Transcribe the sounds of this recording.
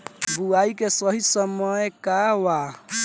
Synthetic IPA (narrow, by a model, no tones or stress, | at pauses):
buaikesəɦisəməjkawa